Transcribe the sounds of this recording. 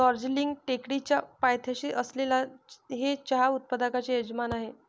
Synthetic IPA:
ɔɾd͡ʑliŋɡ̚ʈekɽit͡ɕjapajt̪ʰjaɕiːʔəslelaɦet͡ɕaɦaut̪̚pad̪akat͡ɕeed͡zmanaɦe

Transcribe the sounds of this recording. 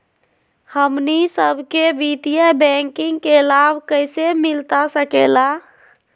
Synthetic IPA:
həmnisəbʱkebit̪ijəbɛŋkiŋɡkelabʱkəjsemilt̪asəkela

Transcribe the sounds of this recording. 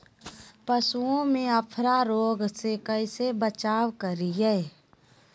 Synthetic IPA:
pəsuõmẽəpʰɾaɾoːɡsekəisebət͡ʃaːwkəɾiɦɛː

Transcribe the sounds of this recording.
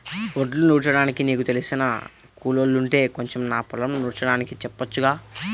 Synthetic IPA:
oɖlunuːɽt͡ʃɐɽaːnikiniːkut̪e̞lisinɐ̰ | kuːlolːuɳʈe̞ːko̞ɲt͡ʃemnaːpulɐmnuːɽt͡ʃɐɽaːnikit͡ʃɛpːɐt͡ʃːuɡaː

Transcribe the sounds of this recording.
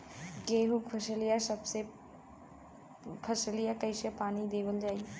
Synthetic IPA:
ɡeːɦukpʰɐʃəlijasɐbse | pʰɐsəlijakɐiʃɛpaːnid̪eːʋəld͡ʒaːie

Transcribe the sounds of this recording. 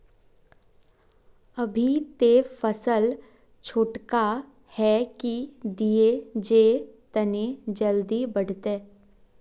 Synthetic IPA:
ɐbʱit̪efəsəl | t͡ʃʰoːʈka | hɛkid̪ied͡ʒet̪ɐned͡ʒəld̪ibəɽ̤t̪eː

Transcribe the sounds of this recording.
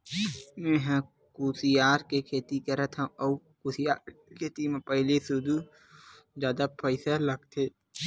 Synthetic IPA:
mẽːɦã | kuːsijaːɾkekʰeːt̪ikɐɾət̪ʰãɔ | kuːsjaːɾkʰeːt̪imẽpəɦlesʊd̪u | d͡ʒjaːd̪apʰəɪsalɐɡt̪ʰeː

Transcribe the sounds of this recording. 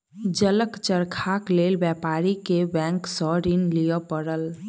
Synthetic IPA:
d͡ʒələkt͡ʃəɾkʰakleːlbjɛːpaːɾikebɛ̃ːŋksɔɾinlijəpəɾəl

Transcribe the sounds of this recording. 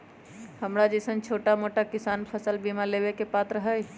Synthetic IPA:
həmɾad͡ʒəɪsənt͡ʃʰoːʈamoʈakɪsaːnpʰəsəlbimalebekepat̪ɾəɦəj

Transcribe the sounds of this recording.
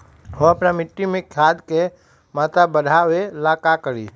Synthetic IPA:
ɦoɐpnamɪʈːimẽkʰjaːd̪ke | maːt̪abəɽʱawelaːkakəɾḭː

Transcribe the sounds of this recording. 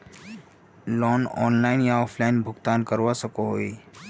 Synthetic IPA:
lɔːnɔ̰ːnlaɪnjaɔːpʰlaɪnbʱʊɡt̪aːnkəɾʋasəkoɦoe

